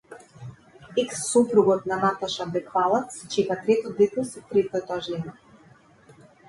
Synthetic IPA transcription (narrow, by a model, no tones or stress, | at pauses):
ɛksːopɾuɡɔt̪navat̪aʃabɛkvalˠat̪st͡ʃɛkat̪ɾɛt̪ɔd̪et̪ɔsit̪ɾɛt̪ɔɛt̪ɔaʒɛna